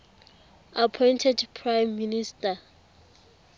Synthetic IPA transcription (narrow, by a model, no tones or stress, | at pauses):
apʰɔjntʰɛdpʰrajmːinistʼa